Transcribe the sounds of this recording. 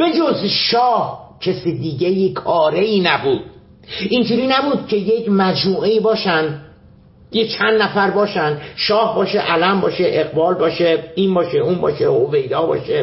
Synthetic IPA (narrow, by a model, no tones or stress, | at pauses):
b̥e̞d͡ʒozʃɒːhcʰesiːd̪iːɟejikʰɒːɾeiːnæbuːd̪̥̚ | ind͡ʒuːɾiːnæbuːd̪̥̚cʰe̞jecmæd͡ʒmuːʔeiːbɒːʃænd̪ | jet͡ʃʰænd̪ːnæfæɾbɒːʃænd̪ʃɒːhbɒːʃeʔælæmbɒːʃeʔeɣbɒːlbɒːʃeiːnbɒːʃeuːmbɒ̰ːʃehovejd̪ɒːbɒ̰ːʃe